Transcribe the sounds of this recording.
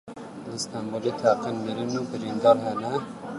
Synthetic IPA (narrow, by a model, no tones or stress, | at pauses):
ləst̪ɑmbolet̪ʰæqinməɾinubɪɾind̪ɑːɾɦɛnɛ